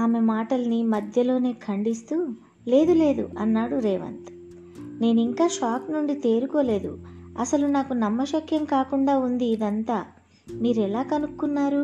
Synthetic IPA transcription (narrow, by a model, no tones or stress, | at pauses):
aːmemaːʈɐlɐnimɐd̪ʱjɐlo̞ːne̞ːkʰɐɳɖist̪u | le̞ːd̪ule̞ːd̪ṵɐnːaːɽuɾɛːʋɐ̰nt̪ | ne̞ːnuiŋkaːʃaːknuɳɖit̪e̞ːɾuko̞ːle̞ːd̪ṵɐsɐlunaːkunɐmːɐʃɐkʰjɐmkaːkuɳɖaːund̪iːd̪ɐnt̪aː | miːɾɛlaːkɐnukːunːaːɾu